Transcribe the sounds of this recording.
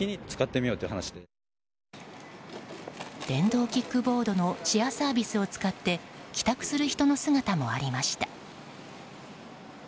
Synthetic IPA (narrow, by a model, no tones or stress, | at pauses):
iɲ̟it͡sɨ̥kat̪ːe̞mʲijo̞ːt̪oji̟hanaɕi̥d̪e | d̪̥ẽ̞nd̪o̞ːkʲikːɯ̟bo̞ːd̪o̞no̞t͡ɕiasaːbʲisɨo̞t͡sɨ̥kat̪ːe̞kʲi̥t̪akɯ̟̥sɨɾɯ̟çi̥t̪o̞no̞sɨɡat̪amo̞aɾʲimaɕi̥t̪ḁ